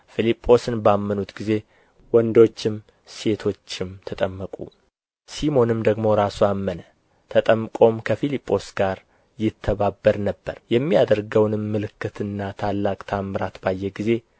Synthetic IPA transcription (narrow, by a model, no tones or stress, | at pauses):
filipʼːo̞sɨnbamːənut̪ɡize̞ | wɔnd̪o̞t͡ʃːɪm | se̞t̪ʰo̞t͡ʃːɪmt̪ʰət̪ʼəmːəkʼṵ | simo̞nɨmd̪əɡmo̞ɾasuamːənə | t̪ʰət̪ʼəmːɨkʼo̞mkʰəfilipʼːo̞sɡaɾ | jɪt̪ʰːəβabːəɾnəbːə̰ɾjɛmːijad̪əɾɡəwnɨmːɨlɨkːɨt̪ʰɨnːat̪ʰalːakʼt̪ʰamːɨɾat̪bajːɛɡize̞